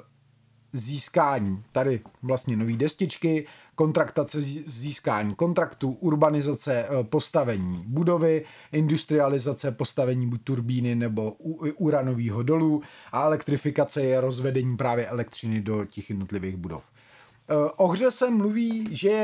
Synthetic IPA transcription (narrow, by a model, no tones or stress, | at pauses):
ziːskaːɲiːt̪adɪvlast̪ɲɛno̞viːdɛscɪt͡ʃkɪ | ko̞nt̪ɾakt̪at͡sɛziːskaːɲiːko̞nt̪ɾakt̪uʔuɾbanɪzat͡sɛpo̞st̪avɛɲiːbudo̞vɪ | ʔɪndust̪ɾɪalɪzat͡sɛpo̞st̪avɛɲiːbuc̚t̪uɾbiːnɪnɛbo̞ʔuɾano̞viːɦo̞do̞luːʔaɛlɛkt̪ɾɪfɪkat͡sɛjɛɾo̞zvɛdɛɲiːpɾaːvjɛʔɛlɛkt̪r̝ɪnɪdo̞cɛxjɛdno̞t̪lɪviːɣbudo̞̰f | ʔo̞ɣr̝ɛsɛmluviːʒɛjɛ